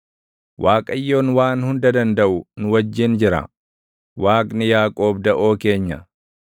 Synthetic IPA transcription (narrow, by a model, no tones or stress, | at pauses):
waːkʼɐjːo̞ːnwaːnhʊnd̪ɐd̪ɐnd̪ɐʔʊnʊwɐd͡ʒːɪnd͡ʒɪɾɐ̰ | waːkʼnɪjaːkʼo̞ːbd̪ɐʔo̞ːke̞ːɲːɐ̰